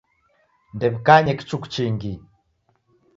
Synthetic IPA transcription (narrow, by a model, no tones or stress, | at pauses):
ndɛβikaɲɛki̥t͡ʃukt͡ʃiŋɡi